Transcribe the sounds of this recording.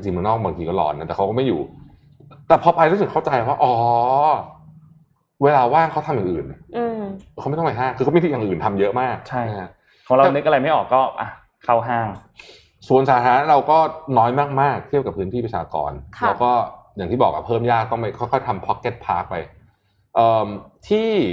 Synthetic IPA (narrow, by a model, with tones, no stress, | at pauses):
t͡ɕa˧t͡ɕi˧ŋmɯ˧˦nɔː˥˩ŋ̚baː˧ŋt̪ʰiː˧kɔː˥˩lɔ̰ː˧nːa˦˥ɛ˨˩a˦˥wkɔː˥˩ma˥˩jṵː˨˩ | t̪ɛː˨˩pʰɔː˧pa˧jɾuː˦˥˩sɯ˨˩kʰa˥˩wt͡ɕa˧ja˧˩waː˥˩ʔɔː˨˩˦ | weː˧laː˧waː˥˩ŋkʰa˦˥wt̪ʰa˧mjaː˨˩ʔɯː˨˩nɯː˧˩˧wma˥˩t̪ʰːma˧jɦaː˥˩ŋkʰɯː˧kmi˧i˧˩ja˨˩ŋʔɯː˨˩nt̪ʰa˧mjɤ˦˥ʔmaː˥˩k̚t͡ɕʰa˥˩˦kʰa˦˥ | ɔː˩˦ŋɾa˧nɯ˦˥k̚ʔa˧ɾa˧jma˥˩jʔɔː˨˩kːɔː˥˩ʔa˧˩ | kʰa˥˩wɦaː˥˩ŋ | su˨˩ə˦nsaː˩˦t̪ʰɾaː˨˦˥nɾa˧wkɔː˥˩nɔː˦˥jmaː˥˩k̚maː˥˩k̚t̪ʰi˥˩p̚ka˨˩pʰːɯː˦˥nt̪ʰiː˥˩pɾa˧t͡ɕʰa̰ː˧kɔ̰ː˧nkʰlaː˦˥wkɔː˥˩ja˨˩ŋt̪iː˥˩bɔː˨˩k̚ʔa̰˧˩pʰɤː˥˩mjaː˥˩k̚ːɔː˥˩ma˥˩jkʰɔ˦˥˩jkʰɔ˥˩jt̪ʰa˧mpʰɔ˦˥kːe˦˥t̪̚pʰaː˦˥k̚pa̰˧j | ʔɤː˨˩mt̪ʰiː˥˩